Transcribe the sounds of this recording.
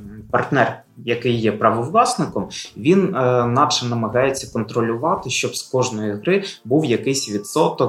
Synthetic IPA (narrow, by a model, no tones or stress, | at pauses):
pɐrt̪nɛr | jɐkɪjːɛpɾɐʋɔwlˠɑsnɪkɔmʋʲinːɑpʃɛnɐmɐɦɑjet͡sʲːɐkɔnt̪ɾɔlʲʊʋɑt̪ɪʃt͡ʃɔbskɔʒnɔjiɦɾɪbuwjɐkɪjsʲʋʲid̪sɔt̪ɔ